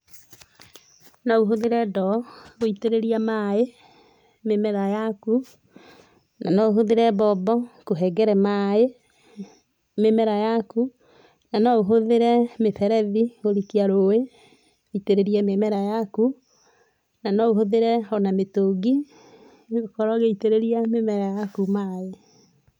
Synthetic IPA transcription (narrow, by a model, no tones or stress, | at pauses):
nɔuɦoðeɾɛdɔoiteɾeɾiamae | memɛɾajaku | nanɔoɦoðeɾɛbɔbɔkoɦɛɡɛɾɛmae | memɛɾajaku | nanɔoɦoðeɾɛmeθɛɾɛðioɾikiaɾoe | iteɾeɾiɛmemɛɾajaku | nanɔoɦoðeɾɛɔnametoɡi | ɣokɔɾɔɣeiteɾeɾiamemɛɾajakumae